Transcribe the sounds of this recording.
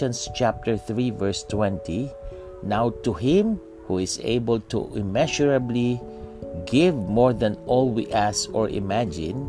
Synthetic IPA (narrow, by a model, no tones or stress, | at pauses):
ə̃nst͡ʃæp̚t̪əɹθɹivɛɹst̪wɛ̃nt̪i | nawt̪uɦɪ̃m | huɪsḛɪbəlt̪ṵɪmɛʃɔɹabli | ɡɪvmɔɹðæ̃nɔlˠwḭʔæsɔɹʔɪ̰mæd͡ʒɪ̰̃n